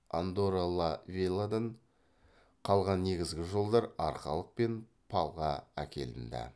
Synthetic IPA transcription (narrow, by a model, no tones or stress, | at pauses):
and̪oɾalˠɑvʲelˠad̪ɑɴ | qʰɑlˠʁɑnːe̞ɡʲɪzɡʲɪʒo̞lˠd̪ɑɾɑɾχɑ̰lˠəq̚pe̞n | pʰɑlˠʁɑæ̰kʲʰe̞̰lɪnd̪æ̰